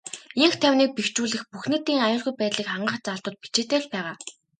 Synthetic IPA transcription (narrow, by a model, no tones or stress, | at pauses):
iŋxt̪ʰæwʲniːk̚pikt͡ɕuːɮɘ̆xpuxneːt̪iːŋajʊːɮɣujpæːt̪ɮiːkχaɴɢə̆χt͡saɮt̪ʊ̆ːt̪̚pi̥t͡ɕeːt̪eːɮpæːʁaː